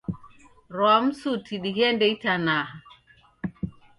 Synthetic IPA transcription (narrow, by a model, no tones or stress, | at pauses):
ɾɔamsutʰiɗiɡɛndejtana